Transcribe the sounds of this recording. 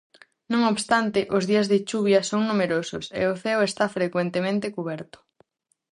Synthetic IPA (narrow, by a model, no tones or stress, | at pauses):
nõŋoβst̪ant̪ɪʔʊzðiɐzðɪt͡ʃuβjɐsoŋnumeɾosʊ̰sḛoθɛwest̪afɾekwent̪emẽnt̪ekuβ̞ɛɾt̪ʊ̥